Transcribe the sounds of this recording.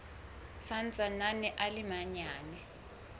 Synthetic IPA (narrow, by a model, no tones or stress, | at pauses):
sant͡sʼananɛʔalimaɲaːnɛ